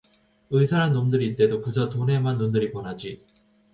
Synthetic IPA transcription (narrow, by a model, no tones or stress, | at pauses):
ɯisʰaɾanːomdɯɾiːt͈e̞dokɯsʰʌtone̞manːondɯɾipwʌnɦad͡ʑi